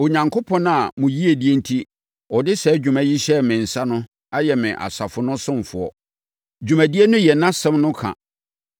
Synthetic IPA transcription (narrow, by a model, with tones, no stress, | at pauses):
o˨ɲã˨ŋkʰo˦pʰɔ̃˦na˨mʊ̃˨ji˦e˨di˦e˦n̩˦tʰi˦ | ɔ˨dɪ˦sɛ˨˦d͡ʑᶣu˨mæ̃˨ji˦ɕɛ˦mɪ̃˨n̩˨sa˦nʊ̃˦ | a˦jɛ˨mɪ̃˨ʔa̰˨sa˨fʊ˨nʊ̃˦sʊ̃˦m˨fʊ̰˨ɔ̰˨ | d͡ʑᶣu˨mæ̃˨di˦e˦nʊ̃˦jɛ˨nã˦sɛ̃˦mnʊ̃˦kʰã̰˨